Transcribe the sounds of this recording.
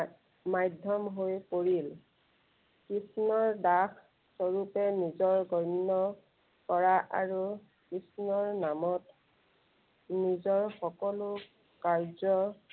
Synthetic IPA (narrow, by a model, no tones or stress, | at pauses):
majdʱɔmɦojpoɹil | kɹisnɔɹdakʰ | sɔɹupɛnizɔɹɡɔjnːɔ | kɔɹaʔa̰ɹu | kɹisnɔɹnamɔt | nizɔɹxɔkɔlʊ | kaɹzɔ